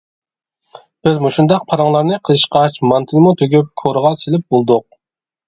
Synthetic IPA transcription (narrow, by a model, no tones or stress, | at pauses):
b̥ɪzmuʃund̪ɑq̚pʰɑɾɑŋlˠɑɾnɨqʰəlˠɨʃqɑt͡ʃmɑnt̪ʰɨlˠmut̪ʰøɡʲyp̚kʰoɾəʁɑselɪp̚bolˠd̪ʊq̚